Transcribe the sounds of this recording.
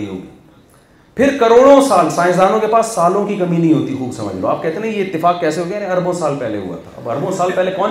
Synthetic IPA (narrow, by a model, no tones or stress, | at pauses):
iɦo̰ːɡḭː | pʰɪɾkɐɾoːɽ̃õsaːlsaːɪ̃zaːnõkepaːsːaːlõkikɐmĩnɐɦĩɦoːt̪ixuːksɐ̰mə̰d͡ʒlo̰aːp̚kɛɦt̪eːnɐĩjeɪt̪ːɪfaːkkɛːseɦoːk̪enɛ̃ɐɾbõsaːlpɛɦlḛɦṵa̰t̪ʰa̰ɐ̰bɐɾbõsaːlpɛːɦlekɔːn